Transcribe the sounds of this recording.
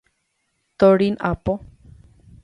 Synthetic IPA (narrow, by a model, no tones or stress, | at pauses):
t̪oɾinapo